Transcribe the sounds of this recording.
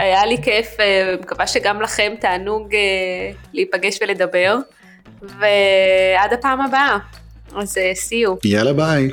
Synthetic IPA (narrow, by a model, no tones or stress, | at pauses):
ajalikefemkavaʃeɡamlaχe̞mt̪aːnuɡeliipaɡe̞ʃvele̞d̪abe̞ʁ | vead̪apaːmaba | azesiujalabaj